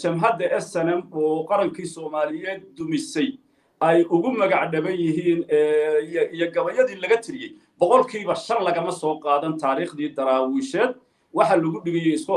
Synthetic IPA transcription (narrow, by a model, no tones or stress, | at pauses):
t͡ʃɐmɦɐd̪ɐʔɛsɛnɛmɔːqɑɾɐŋkʰiːsɔːmaːlɪjɛːd̪̚ːʊmɪsɛj | ʔɛjʊɣʊmɐɣɑʕɖɐβɐnjɪɦiːnɛːijɔɡɐβɐjɐðiːlɐɣɐt̪ʰɪɾɪjɛj | bɔqɔlkʰiːβɐʃɐnlɐɣɐmɐsɔːqɑːðɐnt̪ʰaːɾiːχd̪iːd̪ɐɾaːwɪʃɛːd̪ | wɑħɑlɐɣʊɖɪɣɛjɛɪskʰʊ